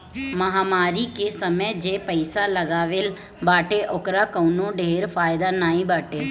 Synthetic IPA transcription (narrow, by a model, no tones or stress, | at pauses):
məɦaːmaːɾikesəməd͡ʒeːpəɪsaləɡaːʋel | baːʈeʔʊkɾakəːnõɖeːɾfʰaːɪd̪anaːĩbaːʈeː